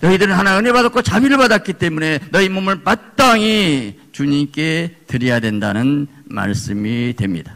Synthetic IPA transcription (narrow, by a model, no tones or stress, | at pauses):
nʌidɯɾɯnɦanaɯnebadak͈ʰot͡ɕabiɾɯɭbadat̚k͈it͈e̞mune̞nʌimomɯɭpat̚t͈aŋit͡ɕuɲimk͈e̞tɯɾijadwendanɯn | ma̰ɭs͈ɯmitwe̞mɲḭda